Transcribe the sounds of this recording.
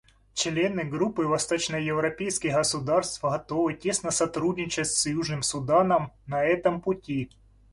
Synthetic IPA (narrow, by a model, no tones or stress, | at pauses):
t͡ɕlʲe̞nɨɡɾupːɨvɐst̪ot͡ɕnəjjɪvɾɐpʲejskʲɪxɣɐsʊd̪arst̪fɣɐt̪ovɨtʲe̞snɐsɐt̪ɾudʲnʲɪt͡ɕɪtʲsjuʐnɨmsʊd̪anəmnɐɛt̪əmpʊtʲi